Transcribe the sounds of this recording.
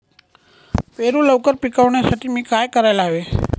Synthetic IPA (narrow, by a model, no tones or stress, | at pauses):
peɾũləwkəɾpikəʋnesəʈimikajkəɾajlaʋe